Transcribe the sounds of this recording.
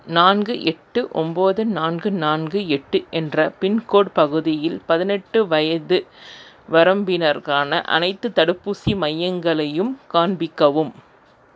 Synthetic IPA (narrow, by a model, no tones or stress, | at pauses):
naːnɡɯʔɛʈːɯʔɔmboːðɯnaːnɡɯnaːnɡɯɛʈːɯʔɛndrɐpɪnkoːɽpɐɣɯðɪjɪlpɐðɪnɛʈːɯʋɐjɐðɯ | ʋɐɾɐmbɪnɐɾkaːnɐ̰ʔɐ̰nɐɪt̪ːɯt̪ːɐɽɯpːusimɐjːɐŋɡɐɭɐjɯmkaːnbɪkːɐʋɯm